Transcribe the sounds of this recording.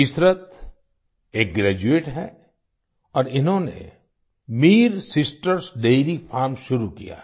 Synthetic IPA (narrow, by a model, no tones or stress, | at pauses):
ɪsɾət̪ | eːk̚ɡɾɛːd͡ʒueːʈɦɛ̰ | ɔːɾɪnɦõnḛ | miːɾsɪsʈəɾsɖeːɾifʰaːɾmʃʊɾukḭja̰ː